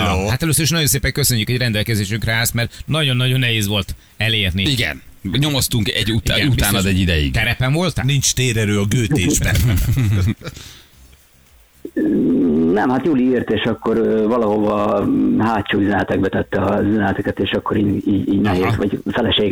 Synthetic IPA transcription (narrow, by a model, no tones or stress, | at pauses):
hat̪ɛløsøɾiʃnɒɟjo̞nseːpɛŋkøsøɲːykhoɟrɛnd̪ɛlkɛzeːʃyŋkraːɛst̪mɛrnɒɟo̞nːɒɟo̞nːɛɦeːzʋo̞lt̪ | ɛleːrniiɡɛ̰n | ɲo̞mo̞st̪uŋkɛɟːutiɡɛuaːnɒd̪ɛɟːid̪ɛjḭɡt̪ɛɾɛpɛɱvo̞lt̪nint͡ʃt̪eːɾɛɾøːɒɡøːt̪eːʒbɛn | nɛmhat̪joːliːrt̪eːʃɒkːo̞ɾvɒlɒɦovɒhaːtt͡ʃuːyzɛnɛt̪ɛɡ̚bɛt̪ɛt̪ːɛɒzyzɛnɛlt̪ɛkɛt̪eːʃɒkːoɾiːiːɟiːɟnɛɦeːzʋɒɟfɛlɛʃeːɡ